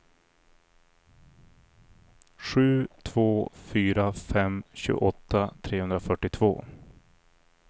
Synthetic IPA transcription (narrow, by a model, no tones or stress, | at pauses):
ɧʉ̟ːt̪ʰv̥oːfyːɾafɛmɕʉ̰ːɡ̰ʔɔt̪ʰːat̪ʰɾeːhɵnd̪ɾafœʈːɪt̪ʰv̥o̰ː